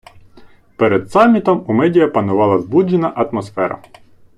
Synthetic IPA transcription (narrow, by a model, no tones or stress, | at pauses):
pɛɾɛd̪sɑmʲːit̪ɔmumɛdʲijɐpɐnʊʋɑlˠɐzbud͡ʒːɪnɐʔɐt̪mɔsfɛɾɐ̰